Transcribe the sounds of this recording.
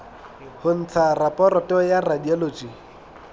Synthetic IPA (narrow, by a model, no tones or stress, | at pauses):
hʊn̩t͡sʰarapʼɔɾɔtʼɔjaradialoːt͡ʃʼi